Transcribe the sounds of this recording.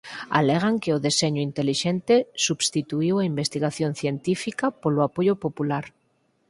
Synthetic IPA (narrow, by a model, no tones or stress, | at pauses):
a̰leɣaŋkeoðeseɲoint̪eliʃent̪esubst̪it̪uiwaimbest̪iɣaθjonθjent̪ifikapoloapoʎopopulaɾ